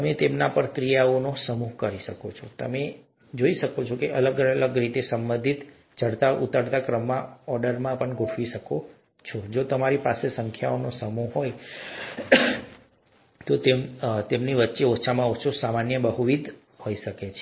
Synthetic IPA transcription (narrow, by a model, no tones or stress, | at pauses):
t̪əmet̪emnapəɾkɾijaonosəmuɦkəɾiʃəkot͡ʃʰot̪ə̰me | d͡ʒoiʃəkot͡ʃʰokeʔələɡəələɡɾit̪esəmbə̃nd̪ʱit̪ | t͡ʃəɽt̪aʔṵt̪aɽt̪akɾəmːãɔɾɖəɾmãpəɳɡʱoʈʰʋiʃəko | t͡ʃʰod͡ʒot̪əmaɾipasesəŋkʰjaonosəmuɦɦoj | t̪ot̪emt̪emniʋətːʃeoːʃʰamãot͡ʃʰosamanjəbəɦuʋid̪ʱ | hoiʃəket͡ʃʰe